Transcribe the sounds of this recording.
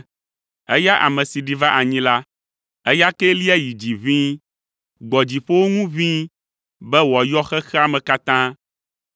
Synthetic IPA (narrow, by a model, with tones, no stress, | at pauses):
ɛ̰˦ja˦ʔa̰˨mɛ̃˨si˨ɖi˨va˦ʔa˨ɲĩ˦la˦ | ɛ˦ja˦kɛ˦li˦ɛ˦ji˨d͡ʑi˨vĩ˦ | ɡ͡bɔ˨d͡ʑi˨ɸo˦wo˦ŋũ˦vĩ˦ | bɛ˦wɔ˨jɔ˦xɛ˦xɛ˦a˨mɛ̃˨ka˦t̪ã˦